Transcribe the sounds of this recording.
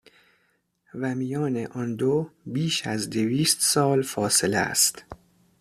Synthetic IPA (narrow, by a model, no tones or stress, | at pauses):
væmijɒːnḛʔɒnd̪obiːʃæzd̪eviːst̪sɒːlfɒːse̞leæ̰st̪